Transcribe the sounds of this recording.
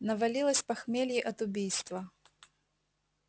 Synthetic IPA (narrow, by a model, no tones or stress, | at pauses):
nɐvɐlʲilˠəsʲpɐxmʲelʲjɪʔɐt̪ʊbʲijst̪vɐ